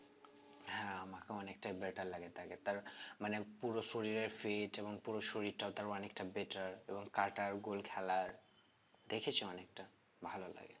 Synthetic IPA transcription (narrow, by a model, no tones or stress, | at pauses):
ɦɛ̃amakeɔnek̚ʈabeɾʈaɾlːaɡet̪ʰaket̪aɾmanepuɾoʃoɾiɾeɾfeʈeboŋpuɾoʃoɾiɾʈaot̪aɾɔnek̚ʈabeʈaɾeboŋkaʈaɾɡolkʰɛlaɾ | d̪ekʰet͡ɕʰiɔnek̚ʈa | bʱalola̰ɡe